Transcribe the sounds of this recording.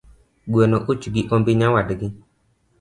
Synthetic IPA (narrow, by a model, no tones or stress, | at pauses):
ɡuenoʔut͡ʃuɡiʔɔmbiɲãwadiɡi